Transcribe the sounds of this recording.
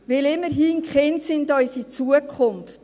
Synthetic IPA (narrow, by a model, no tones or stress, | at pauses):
vɪlɪmːəɾɦiːnkχɛntsɪndœʏsit͡suəkʰχʊnft